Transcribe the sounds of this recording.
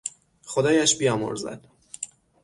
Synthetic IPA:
xod̪ɒːjæʃbijɒːmo̰ɾzæ̰d̪̥

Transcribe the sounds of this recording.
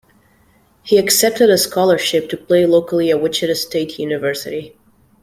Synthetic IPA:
hiɨksɛp̚tɨɾəskʰɔlˠə˞ʃɪp̚tʰɨpʰl̥eɪloʊkl̩ˠiɨwɪt͡ʃɨɾɨsteɪtʰjʉnɨvɜ˞sɨ̰ɾi

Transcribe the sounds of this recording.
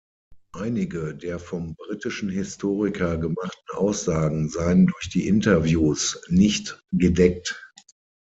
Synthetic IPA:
ʔaɪnɪɡədeːɐfɔmbʁitɪʃn̩hɪstʰoːʁɪkʰɐɡəmaχtn̩ʔa̰ʊsz̥aːɡŋ̩zaɪəndʊɐçd̥iːʔɪntɐvjuːsnɪçtɡ̥ədɛk̚t

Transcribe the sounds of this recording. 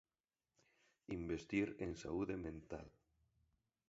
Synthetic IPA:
imbest̪iɾensa̰uðemẽnt̪a̰l

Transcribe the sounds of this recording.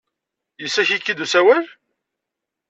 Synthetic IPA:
jəsːæçikːid̪usæwæl

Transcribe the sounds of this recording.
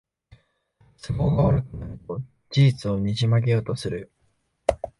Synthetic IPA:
soko̞ɡaoɾɯkɯnaɯt̪o̞ | d͡ʑiːt͡sɨo̞ɲ̟iʑimaɡe̞jo̞ːt̪o̞sɨɾɯ̟

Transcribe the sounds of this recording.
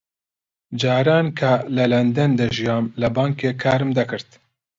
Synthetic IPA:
d͡ʒaːɾaːnkʰalɐlɐnd̪ɛnd̪ɐʒijɑːmlɐbaːŋkeːkʰaːɾɨmd̪ɐkɨɾt̪

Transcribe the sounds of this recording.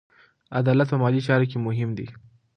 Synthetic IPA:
ad̪ɑlat̪̚pəmɑlit͡ʃɑɾokemʊɦɪmd̪ḭ

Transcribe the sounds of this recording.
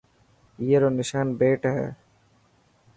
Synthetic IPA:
jeɾonɪʃaːnbeːʈɦɛ̰ː

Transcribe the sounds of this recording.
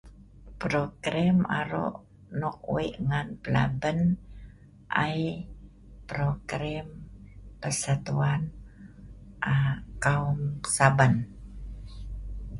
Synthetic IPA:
pɾokɾɛma̰ɾo̰ʔ | nɔk̚uiʔŋanpəla̰bən | ʔa̰j | pɾoɡɾɛmpəsat̪uan | ʔakaumsaban

